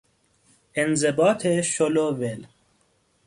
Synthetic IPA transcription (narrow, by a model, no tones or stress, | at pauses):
ʔenzebɒːt̪ʰeʃolovel